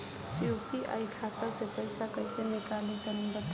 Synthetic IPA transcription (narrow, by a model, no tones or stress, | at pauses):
joːpiʔa̰jkʰaːt̪asepəɪsakəjsenɪkalit̪ənibət̪